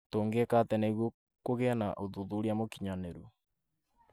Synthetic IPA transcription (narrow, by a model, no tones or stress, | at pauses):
toːŋɡekatɛneɣwo | koɣɛna̰ʔoðuðuɾiamokiɲaneɾu